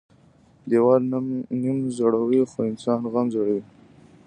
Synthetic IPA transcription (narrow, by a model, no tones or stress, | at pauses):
d̪ewɑɾnɪmzoɽawixoɪnsɑːnɣamzoɽawi